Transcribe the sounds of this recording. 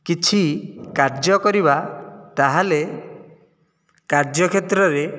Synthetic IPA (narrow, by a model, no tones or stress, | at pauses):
kit͡ʃʰikaɾd͡ʒɔkɔɾibat̪aɦale | kaɾd͡ʒɔkʰet̪ɾɔɾe